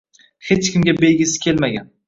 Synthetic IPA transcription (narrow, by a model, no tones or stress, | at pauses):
het͡ʃkʲʰɪmɡʲabejɡʲisɪ̥kʲʰelmaɡʲan